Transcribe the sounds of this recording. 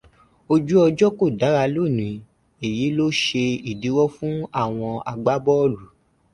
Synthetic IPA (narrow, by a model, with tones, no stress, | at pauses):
o˧d͡ʒu˦ɔ˧d͡ʒɔ˦ko˦˨da˨˦ɾa˧lo˦˨nĩ˨˦ | e˨ji˨˦lo˦ʃe˧i˦˨di˨˦wɔ˦fũ˦a˦˨w̃ɔ̃˧a̰˧ɡ͡ba˦bɔ˦ɔ˦˨lu˨˦